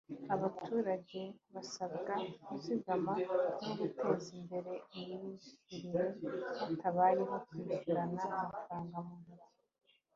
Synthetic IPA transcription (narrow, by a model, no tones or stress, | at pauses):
aβatʰuːɾaɟe̞βasabɡaɡusiɡamakmoɡute̞ːzimbe̞ɾe̞imiiziɾiɾehatʰaβaɾiβakwiɟiɾanaːmafaɾaːŋɡamunuɾ